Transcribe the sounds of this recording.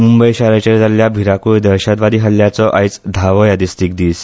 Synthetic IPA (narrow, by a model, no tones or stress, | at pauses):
mumbəjɕaɾat͡ɕeɾd͡zʱaljabʱiɾakujd̪əɾɕad̪ʋad̪iːɦəljat͡sɔʔajt͡sd̪ʱaʋɔjad̪ist̪iːk̚d̪iːs